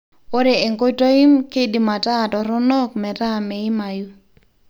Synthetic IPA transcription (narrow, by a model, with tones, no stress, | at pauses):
o˦ɾe˨e˨ŋko˦ito˦i˦mke˦di˨ma˨ta˦˨tɔ˨ɾɔ˦nɔ˦kmɛ˨ta˦˨me˨ɪ˦ma˨ju˦